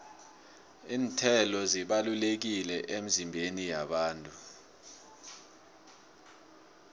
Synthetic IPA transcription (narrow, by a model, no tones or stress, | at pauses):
iːntʰɛlɔziɓalulek̬ilɛʔem̩zimbʱenijaɓaːntʼu